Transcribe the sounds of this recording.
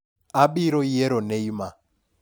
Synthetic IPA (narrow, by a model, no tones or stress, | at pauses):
aɓiɾɔijeɾoneima